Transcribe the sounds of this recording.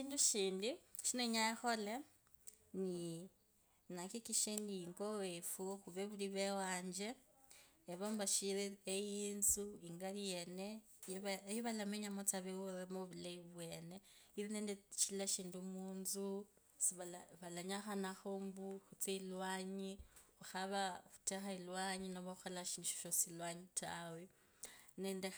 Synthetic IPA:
ʃiːnduʃiːndiʃineɲajixo̞le | ni | nakikiʃenijiŋɡowefuxuβeβuliβewaːɲd͡ʒe̞ː | βoːmbaʃiɾiejiːnzuiŋɡalije̞ne | βajiβalameɲamot͡saβemoβuleβwe̞ːneiɾinendeʃilaʃiːndumuːnzu | siβalaβalaɲaxanaxoːmbuxut͡seilwaːɲixuxaβaxu̥texailwaːɲinoβauxalaʃiːnduʃi̥ʃosilwaɲitʰawe | ne̞ːnde

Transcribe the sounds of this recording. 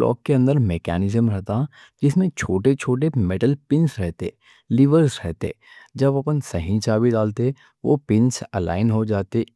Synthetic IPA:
lʔɔ̰ːkːeɐ̃nd̪əɾmekɛːnɪzəmɾɛɦt̪a | d͡ʒɪsmẽt͡ʃʰoːʈet͡ʃʰoːʈemeːʈəlpɪ̃nsɾɛɦt̪e | lɪʋəɾsɾɛɦt̪ḛːd͡ʒɐbɐpənsɐɦĩt͡ʃaːbiɖaːlt̪eɛ | ʋo̰pɪ̃nsɐla̰ːɪnɦod͡ʒaːt̪e

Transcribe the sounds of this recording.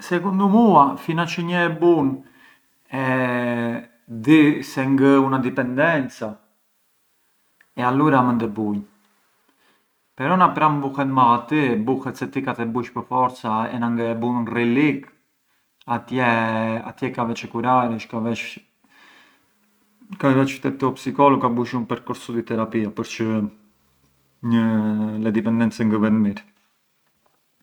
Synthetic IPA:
sɛkund̪umuafinat͡ʃəɲəɛbun | ɛ | d̪isɛŋɡəunad̪ipɛnd̪ɛnt͡sa | ɛaluɾamənd̪əbuɲ | pɛɾɔnapɾambuhɛt̪maːt̪ibuhɛt̪sɛt̪ikat̪ɛbuʃpəɾfɔɾt͡saɛ̰naŋɡɛbunənrɛlik | at̪jɛa̰t̪jɛkavɛt͡ʃɛkuɾaɾɛʃa | kavɛt͡ʃt̪ɛt̪ɔpsikɔlɔkabuʃumpəɾkɔɾsud̪it̪ɛɾapiapəɾt͡ʃə | ɲəlɛd̪ipɛnd̪ɛnt̪t͡sɛŋɡəvɛnmiɾ

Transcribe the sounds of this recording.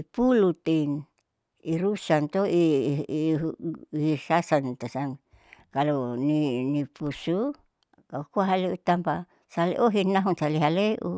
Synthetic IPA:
ipulut̪in | iɾusant̪oi | isasant̪asaŋ | kaloninipusu | kaukuaɦaleut̪ampa | salḛʔoɦinaɦunsaliɦaleʔu

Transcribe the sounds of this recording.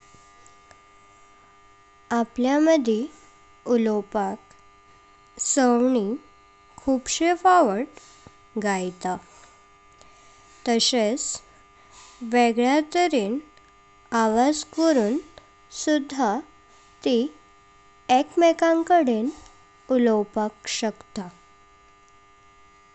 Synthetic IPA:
apljaməd̪ʱe | ulopak | səʋɳi | kʰuːpɕefaʋəɽ | ɡʱajt̪a | t̪əɕet͡s | ʋeɡɭjat̪əɾiːn | aʋaskəɾuːn | sud̪ʱːa | t̪i | ekmɛkãŋkəɽen | ulɔwpakɕəkt̪a

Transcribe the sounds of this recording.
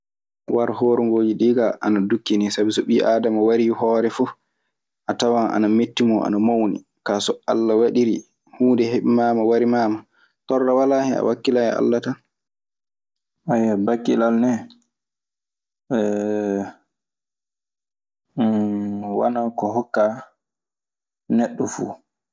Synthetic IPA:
waɾhoːɾuŋɡoːd͡ʒiɗiːɡaʔanadukːinisabisɔɓiʔaːdamawaɾihɔːɾɛfu | ʔatawanʔa̰nametːimɔa̰namownḭ | kasɔa̰lːawaɗiɾi | huːndɛheɓimaːmawaɾimaːma | tɔrːawalaːhɛa̰wakːilaj̰a̰lːatan | ʔajːabakːilalnɛ | ɛ | wa̰nakɔɦɔkːa | nɛɗːɔfṵː

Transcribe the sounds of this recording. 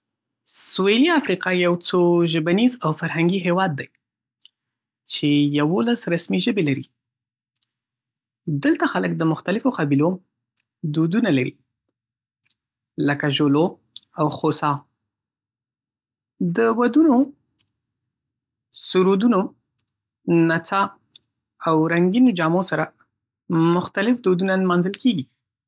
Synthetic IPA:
sueliafɾiqɑjawt͡soʒəbanizawfaɾhaŋɡiɦewɑd̪ːaj | t͡ʃejawolasɾasmiʒəbelaɾi | d̪əlt̪axaləkd̪əmʊxt̪alɪfoqɑbɪlo | d̪ud̪unalaɾḭ | ləkaʒolo | awxosɑ | d̪əwad̪uno | suɾud̪uno | nat͡sɑ | awɾaŋɡinod͡ʒɑmosaɾa | mʊxt̪alɪfd̪od̪unanmɑnzəlkeɡi

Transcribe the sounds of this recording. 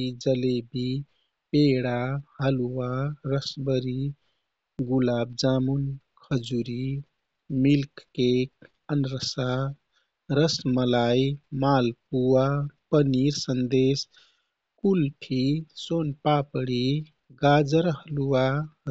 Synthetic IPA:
id͡ʒəlebi | peɽahəluaɾəsbəɾi | ɡulabd͡ʒamunkʰəd͡ʒuɾi | milkːek | ənɾəsa | ɾəsməlajimalpuapəniɾsənd̪es | kulʈʰisonpapɽi | ɡad͡ʒəɾɦəlua

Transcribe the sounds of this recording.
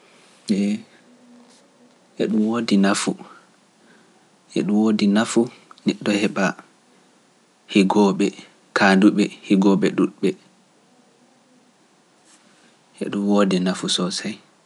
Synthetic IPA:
ɛ | ʔɛɗumwodinafu | ʔɛ̰ɗumwodinafuniɗːɔhɛɓa | hiɡɔɓɛ | kanduɓɛhiɡɔɓɛɗuɗɓɛ | ʔɛ̰ɗumwoːdɛnafusɔsaj

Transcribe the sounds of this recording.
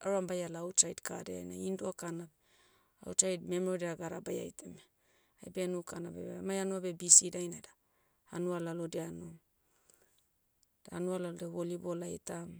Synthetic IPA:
aɾoambajalaːwt͡ʃajtkadea̰jnaindoakanabe | a̰wt͡ʃajtme̞modeaɡaɾabaja̰jteme | ajbeanukanabeamajanuabe̞bisidajnajda | anualalodeano | d̥aanualalodewolibo̞lajtam

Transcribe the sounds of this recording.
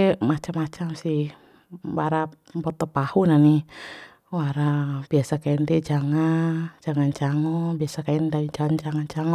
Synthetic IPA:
ɛmat͡ʃamat͡ʃamsih | baɾapɔt̪ɔpahunani | waɾab̥iasakaindɛd͡ʒaŋad͡ʒaŋant͡ʃaŋɔbiasakaindait͡ʃant͡ʃaŋant͡ʃaŋɔ

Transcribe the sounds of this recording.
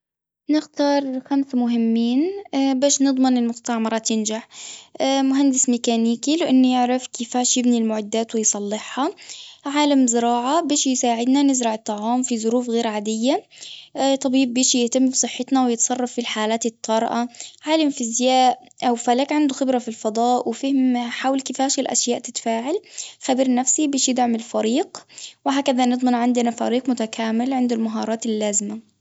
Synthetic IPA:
nɪxt̪ɑːɾˤxamsamʊɦɪmːiːnbaːʃnɨd̪ˤmɪnɪlmʊst̪aʕmɑɾˤɑːt̪jɪnʒaħ | mʊɦand̪ɪsmɪkaniːkilaʔɪnːjɪʕɾafkiːfaːʃjɪbnilmʊʕɪd̪ːaːt̪wɪjsˤɑlːɪħhɑʕaːlamzɪɾɑːʕabeːʃjsaːʕɪd̪nanɪzɾɑʕɨt̪ˤːɑʕɑːmfizʊɾuːfɣeːɾʕaːd̪ɪjːa | t̪ˤɑbiːbːeːʃjɪht̪amːfisˤɨħːɪt̪nawɪjɪt̪sˤɑrˤːɑfːilħaːlaːt̪ɨt̪ˤːɑɾˤʔaʕaːlamfizɪjaːʔ | ʔawfalakʕɪnd̪ʊxɪbɾɑfilfɑd̪ˤɑːʔwɪfɪhɪmħaːwlkɪfaːʃɪlʔa̰ʃjaːʔt̪ɪt̪faːʕɪlxabiːɾnafsibeːʃjɪd̪ʕamɪlfaɾiːqwɪɦaːkaðanɨd̪ˤmɪnʕɪnd̪ɪnafa̰ɾiːqmʊt̪akʰaːmɪlʕɪnd̪ʊlmaɦɑːɾˤɑːt̪ɪlːaːzɪma

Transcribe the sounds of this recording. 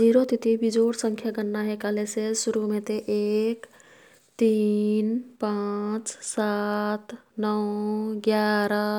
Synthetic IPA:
d͡ʒiɾot̪it̪ibid͡ʒoɽsəŋkʰjaɡənːaɦekalesesuɾumet̪eʔek | t̪inpat͡ʃsat̪nəwɡjaɾa

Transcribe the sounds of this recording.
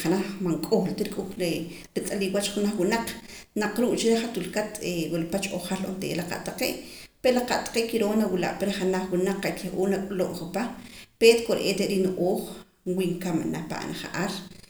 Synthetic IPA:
anaχmaŋkʼolt̪aɾikʼuχɾe | ɾit͡sʼaliwat͡ʃχunaχwunaq͡χ | naq͡χɾuʔt͡ʃeɾeχat̪ulkat̪ewalpat͡ʃʔoχalʔo̰nt̪ḛʔlaqa̰ʔt̪aqḛʔ | pelaqaʔt̪ḁqeʔkiɾoːnawula̰ʔpeɾeχanaχwunaq͡χːaʔkiχʔoːnakʼloʔχupapet̪koɾeʔḛːt̪eʔɾinoʔoːχ | nwiŋkama̰napa̰ʔnaχa̰ʔaɾ

